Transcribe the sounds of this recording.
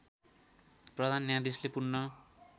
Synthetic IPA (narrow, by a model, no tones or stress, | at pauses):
prʌd̪ʱanːjãd̪islepurnːʌ